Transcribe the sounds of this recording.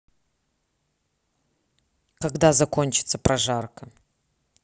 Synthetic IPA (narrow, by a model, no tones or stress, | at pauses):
kaɡd̪azɐko̞nʲt͡ʃɪ̥t̪səprɐʐarkɐ